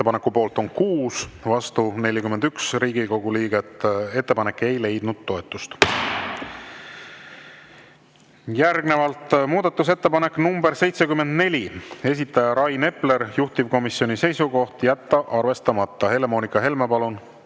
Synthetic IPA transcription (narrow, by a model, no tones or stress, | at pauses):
eepɑnekːˑupo̞ːlt̪o̞nkuːsvɑst̪une̞lʲjikyme̞nd̪̥yksriːɡ̥iko̞ɡuliːɡ̥et̪ːˑe̞t̪ːe̞pɑne̞kːˑe̞jle̞jd̪̥nud̪̥̚t̪ːo̞e̞t̪ːˑust̪ | jærɡne̞vɑlt̪muːd̪ɑt̪ˑːus̬e̞t̪ːe̞pɑne̞kːnumbe̞ɾse̞jt̪se̞kymːe̞nd̪ne̞lʲie̞s̬ʲit̪ːˑɑjɑɾɑjne̞ple̞ɾjuht̪ib̥̚ko̞misio̞nise̞jsuɡo̞ht̪jæt̪ːɑʔɑrve̞st̪ɑmɑt̪ːˑɑhe̞le̞mo̞ːnikːˑɑɦe̞lmepɑlun